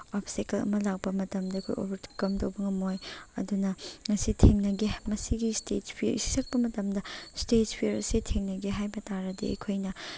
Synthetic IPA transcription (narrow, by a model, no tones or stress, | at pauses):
opsikɐlɐ̰mɐlak̚pɐmɐtɐmdɐɐkʰojo̰bɐɾtʰu̥kɐmtɐwbɐŋɐmojɐdunɐŋɐsitʰeŋnɐɡimɐsiɡistetpʰiɾḭsi̥sʰɐk̚pɐmɐtɐmdɐstetpʰiɾɐsitʰeŋnɐɡeɦajbɐtaɾɐdiɐ̰jkʰojnɐ